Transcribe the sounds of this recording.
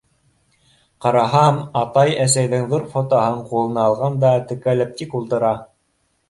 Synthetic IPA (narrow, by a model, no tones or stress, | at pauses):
qɑɾɑɦɑmɑt̪ɑjæsæjðɘŋðuɾfot̪oɦɤɴqulˠɤ̆nɑɑlˠʁɑnd̪ɑt̪ɘ̆kælɘp̚t̪ikulˠt̪ɤ̆ɾɑ